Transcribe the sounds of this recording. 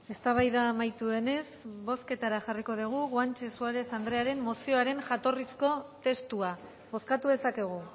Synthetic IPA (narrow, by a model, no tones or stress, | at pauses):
e̞st̪aβ̞ajðamajt̪ue̞ne̞sβo̞ske̞t̪aɾaʝariko̞ð̞iɣ̞uɣwant͡ʃe̞suaɾe̞θand̪ɾe̞aɾe̞mːo̞sio̞aɾe̞nʝat̪o̞risko̞t̪e̞st̪ua | βo̞skat̪uðe̞sake̞ɣ̞u